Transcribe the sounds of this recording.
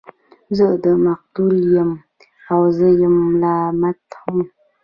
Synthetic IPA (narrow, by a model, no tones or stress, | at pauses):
zəʔdəmak̚tuljəm | awzəjəmlaːmatʰoŋ